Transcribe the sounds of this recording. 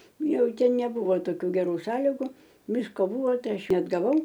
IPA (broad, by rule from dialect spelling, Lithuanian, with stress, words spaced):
ˈjɛʊ ˈtʲɛn nʲɛˈbʊʋoː toːˈkʲuː ɡʲɛˈruː ˈsɑːlʲɪɡʊ ˈʋʲɪskoː ˈbʊʋoː ˈtɐɪ ˈɐʃ nʲɛɐdɡɐˈʋɐʊ